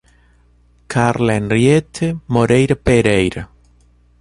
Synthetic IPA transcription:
kʰaɾlaenrjet̪ʰemoɾejɾapeɾejɾa

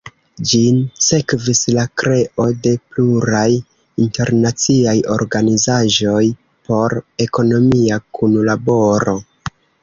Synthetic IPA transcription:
d͡ʒinse̞kvislakɾe̞ʔo̞de̞pluɾaj | inte̞ɾnat͡siajo̞̰ɾɡanizaʒo̞j | pʰo̞ɾe̞ko̞no̞miakʰunlabo̞ɾo̞

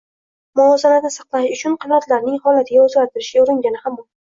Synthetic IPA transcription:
mʊɒzanad̪asɑqlˠaʃʊt͡ʃʰʊnqʰɑnat̪ʰlaɾnɪŋhɒlat̪ʰɪɡʲaozɡʲaɾt̪ʰɪɾɪʃɡʲaʊɾɪŋɡʲanɪhambɒ

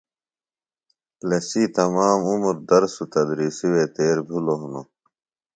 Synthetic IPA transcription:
plesit̪ɐmaːmumɾd̪ɐɾsut̪ɐd̪ɾiːsiwet̪eːɾbʱuloɦuno

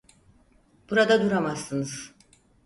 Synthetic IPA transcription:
b̥uɾad̪ad̪uɾamasːɯnɯz̥

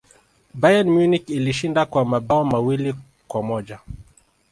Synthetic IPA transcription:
bajanmjunikiliʃindakwamabaɔmawili | kwamɔʄa

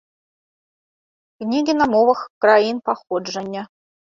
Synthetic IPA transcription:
knʲiɡʲinɑmoʋɤ̆xkrɑinpɑχod̪ʐɘ̆nʲːɘ̆

